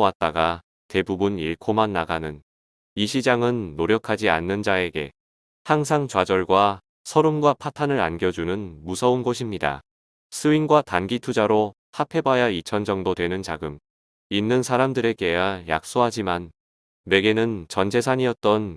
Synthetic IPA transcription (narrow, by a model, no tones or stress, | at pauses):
wat̚t͈aɡa | te̞bubuniɭkʰomanːaɡanɯn | iɕʰid͡ʑaŋɯnːoɾjʌkʰad͡ʑia̰nːɯnd͡ʑae̞ɡe̞̰ | haŋs̬ʰaŋt͡ɕwad͡ʑʌɭɡwa | sʰʌɾonɡwapʰatʰanɯɾa̰nɡjʌd͡ʑunɯnmusʰʌunɡoɕʰimɲida̰ | sʰɯinɡwatanɡitʰud͡ʑaɾo | tʰapʰe̞bajait͡ɕʰʌnd͡ʑʌŋdodwe̞nɯnt͡ɕaɡɯm | inːɯnsʰaɾamdɯɾe̞ɡe̞aja̰k̚s͈oɦad͡ʑimanː | e̞ɡe̞nɯnt͡ɕʌnd͡ʑʰe̞sʰaɲiʌt̚t͈ʌn